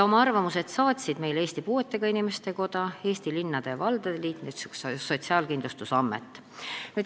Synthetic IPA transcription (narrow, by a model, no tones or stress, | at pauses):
jɑo̞mɑɑrvɑmuse̞d̪̥sɑːt̪ʲsid̪̥me̞jleːst̪ipuːe̞t̪ːe̞ɡ̥ɑinime̞st̪e̞ko̞d̪̥ɑe̞ːst̪ilinːɑd̪̥e̞vɑld̪̥ed̪eliːt̪nyt̪sy̥ksso̞t̪ʲsiɑːlkind̪lust̪usɑmːe̞̰t̪ːˑ | ne